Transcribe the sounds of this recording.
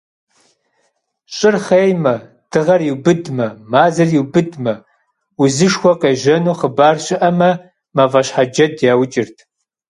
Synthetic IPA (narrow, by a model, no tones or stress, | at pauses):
ɕʼɪrχeːjmɐ | d̥ɨʁɐrjiwbɨdmɐmaːzɐrjiwbɨdmɐ | uzɨʂxʷɔqeːʒɐnuːχəbaːrɕɪʔɐmɐ | mavɐɕħad͡ʒɐdjaːwt͡ʃʼɪrtʰ